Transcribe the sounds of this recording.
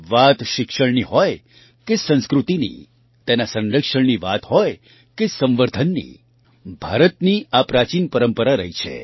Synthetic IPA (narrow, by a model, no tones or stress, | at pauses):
ʋat̪ʃɪkʃəɳniɦɔj | kesə̃ñskɾut̪inḭ | t̪enasə̃nɾəkʃəɳniʋa̰t̪ɦɔj | kesə̃mʋəɾd̪ʱənːḭ | bʱa̰ɾət̪niapɾat͡ʃinpəɾəmpəɾaɾəɦit͡ʃʰḛ